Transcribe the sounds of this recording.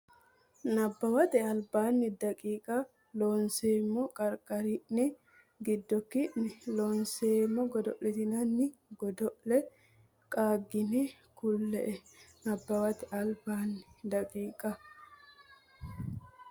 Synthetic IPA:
nɐbːɐwɐt̪ɛɐlbaːnːɪd̪ɐkʼiːkʼɐ | lonseːmːɔkʼɐɾkʼɐɾiʔnɪ | ɡɪd̪ːɔkːɪʔnɪlɔːnseːmːɔɡɔd̪ɔʔlɛt̪ɪnɐnːɪɡɔd̪ɔʔlɛ | kʼaːɡːɪnɛ | kʊlːɛ̰ʔɛnɐbːɐwɐt̪ɛɐlbaːnːɪd̪ɐkʼiːkʼɐ

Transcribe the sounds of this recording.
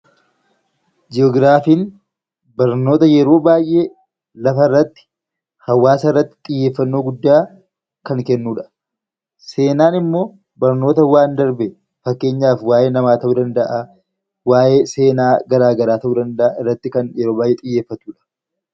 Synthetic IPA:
d͡ʒɪɔːɡɾaːfiːn | bɐɾnoːt̪ɐjɛɾo̞ːbaːjʔe | lɐfɐɪrːɐt̪ːɪ̥ | hɐwːaːsɐɪrːɐt̪ːɪ̥t̪ʼɪjːeːfːɐnːo̞ːɡʊd̪ːaː | kɐŋkɛnːuːᶑɐ̥ | se̞ːnaːnɪmːo̞ː | bɐɾno̞ːt̪ɐwaːnd̪ɐɾbɛ | fɐkːe̞ːɲːaːfwaːjeːnɐmaːt̪ɐʔuːd̪ɐnd̪ɐʔaː | waːjeːse̞ːnaːɡɐɾaːɡɐɾaːt̪ɐʔuːd̪ɐnd̪ɐʔaːɪrːɐt̪ːɪkɐnjɛɾoːbaːjʔɛt̪ʼɪjːe̞ːfːɐt̪uːᶑɐ̥

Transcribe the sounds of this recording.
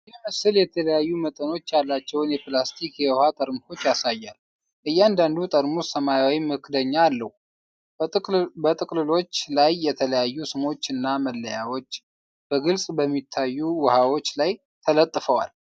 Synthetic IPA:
jɛməsɨljɛt̪ʰələjajːumət̪ʼəno̞t͡ʃːjalːat͡ʃːɛwnjɛplast̪ʰikjɛwhat̪ʼəɾmuto̞t͡ʃːjasajːal | ʔɨjːɛand̪and̪ut̪ʼəɾmusəmajawimɨkʰd̪əɲːaːlːəhu | bət̪ʼɨkʼlɨlo̞t͡ʃːlajːɛt̪ʰələjajːusɨmo̞t͡ʃːɨnːaməlːəjawo̞t͡ʃː | b̥əɡɨlsʼbəmːit̪ʰːajːuwəhawo̞t͡ʃːlaj | t̪ʰələt̪ʼːfəwa̰l

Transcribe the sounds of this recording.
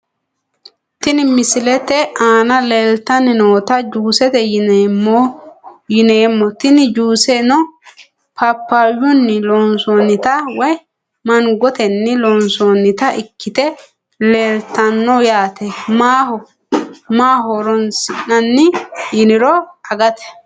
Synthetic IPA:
t̪ɪnɪmɪsɪlɛt̪ɛaːnɐleːlt̪ɐnɪnoːt̪ɐd͡ʒuːsɛt̪ɛjɪnɛmːɔjɪneːmːɔt̪ɪnɪd͡ʒuːsɛnɔ | pʰɐpːajʊnːɪlɔnsoːnɪt̪ɐwɔj | mɐnɡɔt̪ɛnːɪlɔːnsoːnɪt̪ɐʔɪkːɪt̪ɛ | leːlt̪ɐnːɔjaːt̪ɛmahɔ | maːɦɔɾɔnsɪɐnːɪjɪnɪɾɔɐɡɐt̪ɛ̥

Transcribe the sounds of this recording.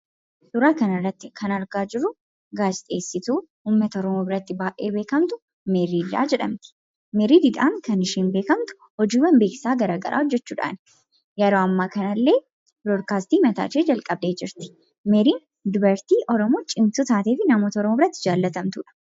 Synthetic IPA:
sʊɾaːkɐnɐrːɐt̪ːɪkʰɐnɐɾɡaːd͡ʒɪɾːʊ | ɡaːd͡ʒɪt̪ʼe̞ːsːɪt̪uːhuːmːɐt̪ɐɔɾɔmoːbɪɾɐt̪ːɪbaːʔḛːbeːkɐmt̪ʊ | mɛɾiːda̰ːd͡ʒɛᶑɐ̰mt̪ɪ̥ | mɛɾiːd̪ɪd̪a̰ːŋkɐnɪʃiːnbe̞ːkɐmt̪ʊ̥hɔd͡ʒiːwɐnbe̞ːkɪ̥saːɡɐɾaːɡɐ̰ɾʔa̰ːɔd͡ʒːɛt͡ʃːuːᶑa̰ːn | jɐɾoːɐmːaːkɐnɐlːe̞ː | blod̪kaːst̪iːmɐt̪a̰ːt͡ʃeːd͡ʒɐlkʼɐb̚d̪e̞ːd͡ʒɪɾt̪ɪ̥ | mɛɾiːn | d̪ʊbɐɾt̪iːʔɔɾɔmoːt͡ʃʼɪmt̪ut̪aːt̪e̞ːfɪnɐmoːt̪ɔɾɔmobɪɾɐt̪ːɪd͡ʒaːlːɐt̪ɐmt̪uːᶑɐ̥

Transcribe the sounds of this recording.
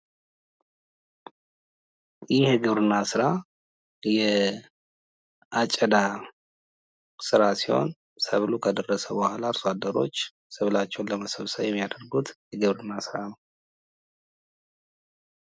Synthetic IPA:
jɪheɡɨβɾɨnːasɨɾa | jɛ | at͡ʃʼːəd̪a | sɨɾasiho̞̰n | səβlukʰəd̪ərːəsəbəhalaɾswad̪əɾo̞t͡ʃː | səβlat͡ʃːɛwnləməsəβsəwjɛmːijad̪əɾɡut̪jɛɡɨβɾɨnːasɨɾanəw

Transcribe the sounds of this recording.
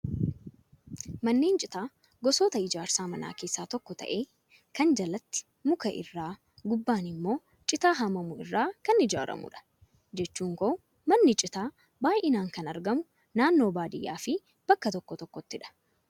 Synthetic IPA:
mɐnːeːnt͡ʃʼɪt̪aː | ɡɔsoːt̪ɐɪd͡ʒaːɾsaːmɐna̰ːke̞ːsːaːt̪ɔkːɔt̪ɐ̰ʔe̞ː | kɐnd͡ʒɐlɐt̪ːɪ̥ | mʊkɐʔɪ̰rːaː | ɡʊbːaːnɪmːo̞ː | t͡ʃʼɪt̪aːɦɐmɐmʊɪ̰rːaːkɐnɪd͡ʒa̰ːɾɐ̰mʊ̰ᶑɐ̥ | d͡ʒɛt͡ʃːuːŋkoː | mɐnːɪt͡ʃʼɪt̪aː | baːjɪnaːŋkɐnɐɾɡɐmʊ | naːnːo̞ːbaːd̪ɪjːa̰ːfɪ | b̥ɐkːɐt̪ɔkːɔt̪ɔkːɔt̪ːɪᶑɐ̥

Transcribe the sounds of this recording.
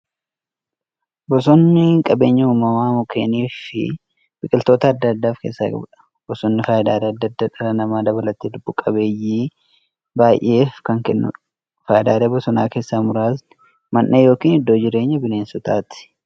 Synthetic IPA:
bɔs̬ɔnːɪkʼɐbe̞ːɲːɐuːmːɐmaːmʊkʰeːniːfɪ̰ | b̥ɪkʼɪlt̪o̞ːt̪ɐːd̪ːɐːd̪ːaːfke̞̰ːsːɐ̰ɐbɐ̥ | bɔsɔnːɪfaːjɪd̪aːɾeːɐd̪ːɐd̪ːaᶑɐɾɐnɐmaːd̪ɐβɐlɐt̪eːd̪ʊbːʊkʼɐbe̞ːjiː | baːjʔe̞ːfkɐŋkɛnːʊ̰ | faːjɪd̪aːɾeːbɔsɔnaːke̞ːsːamʊɾaːsnɪ | mɐnːejo̞ːkiːnɪd̪ːoːd͡ʒɪɾe̞ːɲːɐbɪne̞ːnsʊt̪aːt̪ɪ̥

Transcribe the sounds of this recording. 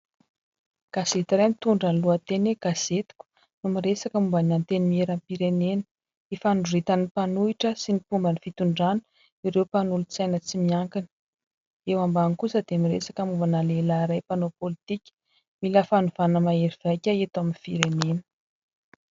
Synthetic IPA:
ɡ̥az̥et̪iɾajmit̪uɳɖ͡ʐaluat̪eneɡ̥az̥et̪i̥kʲu̥ | numiɾesakəmumbanant̪enimieɾampiɾenenə | efanɖ͡ʐurit̪anipanuiʈ͡ʂəsinipumbənifit̪uɳɖ͡ʐanə̥ | iɾewpanulut͡sajnət͡simiaŋkinə̥ | ewambanikusəd̪emiɾesakəmuvanalelaɾajpanopolit̪ikʲi̥ | milafanuv̥anəmaeɾiv̥ajkʲaet̪aminfiɾenenə̥

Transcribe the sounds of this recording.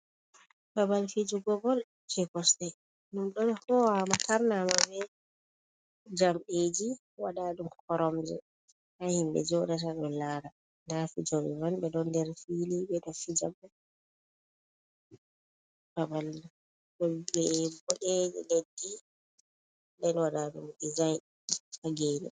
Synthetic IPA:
babalfid͡ʒuɡɔbɔl | t͡ʃɛkɔstɛ | numɗɔnɔhɔwamataɾnamabɛ | d͡ʒamɓed͡ʒi | waɗaːɗumkkʰɔɾɔmd͡ʒɛ̰ | hahimbɛ̰d͡ʒɔɾat̬aɗɔnlaːɾa | ndafid͡ʒoɛ̰manbɛɗɔndɛɾfilibɛɗɔfid͡ʒabɛ | babalːa | ɗɔbɛbɔɗed͡ʒɛ̰ledːi | ndɛnwaɗaɗṵmdid͡ʒajn | kaɡeːnɛ̰

